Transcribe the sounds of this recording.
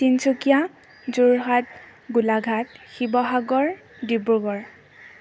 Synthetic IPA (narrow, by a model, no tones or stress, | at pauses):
tinsukija | zuɹɦat̚ | ɡulaɡʱatxibɔɦaɡɔɹ | dibɹuɡɔɹ